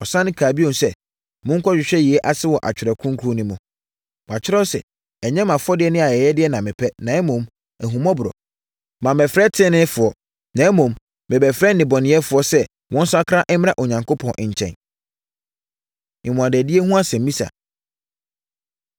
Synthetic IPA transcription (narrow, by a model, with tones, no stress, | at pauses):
ɔ˨sã˦nɪ̃˦kʰaː˨bi˦õ˨m˨sɛ˦˨ | mʊ̃˦ŋ̩˦kʰɔ˦ɕᶣɪ˨ɕᶣɛ˦ji˨e˦ʔa˦˨sɪ˦wɔ˨ʔa̰˨t͡ɕᶣɪ˨ɾɛ˨kʰʊ̃˦ŋ˦kʰɾu˦nʊ̃˦mʊ̃˨ | a˨t͡ɕʰᶣɪ˦ɾɛ˦sɛ̰˨ | ɛ˨ɲɛ̃˦mã˨fɔ˦dɪ˦ɛ˦nɪ̃˦a˨jɛ˨jɛ˦dɪ˦ɛ˦nã˨mɪ̃˨pʰɛ˦nã˨ɛ˦mõ˨m | æ˨ɦũ˨mɔ̃˦bʊ˨ɾɔ̰˨ | mã˨mɛ˨fɾɛ˦tʰɪ̃˦nɪ̃˦fʊ˨ɔ˨ | nã˨ɛ˦mõ˨mː | ɪ̃˨bɛ˨fɾɛ˦nɪ̃˨bɔ˨nɪ̃˨˦ɛ˦fʊ˨ɔ˦sɛ˦ | wʔɔ̃˦n˦sʊ˦a˦kʰɾa˦ʔɛ˦m˦ɾã˦ʔo˨ɲã˨ŋko˦pʰɔ̃˨nʔɪ̃˨ɲ˨t͡ɕʰɛ̰̃˨n | ɪ̃˨mʊ̃˨a˨dɛ˨di˦e˦hũ˦a˦sɛ̃˨m˨mĩ˦sa̰˨